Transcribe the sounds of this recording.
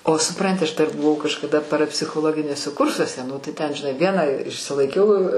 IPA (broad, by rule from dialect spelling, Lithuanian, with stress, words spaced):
oː sʊˈprɐnʲtʲɪ ɐʃ dɐr bʊˈʋɐʊ kɐʃkɐˈdɐ pɐrɐpʲsʲɪxoːˈlˠoːɡʲɪnʲuɔsʲɛ ˈkʊrsuɔsʲɛ ˈnʊ tɐɪ ˈtʲɛn ʒʲɪˈnɐɪ ˈʋʲiɛnɑː ɪʃʲsʲɪlˠɐɪˈkʲɛʊ